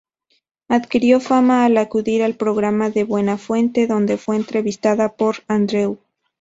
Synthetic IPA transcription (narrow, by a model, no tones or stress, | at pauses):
aðkiɾjo̞famaːlakuðiɾalpɾo̞ɣɾamaðe̞βwe̞nafwe̞nt̪e̞ðo̞nd̪e̞fwe̞ːnt̪ɾe̞βist̪aðapo̞ɾand̪ɾew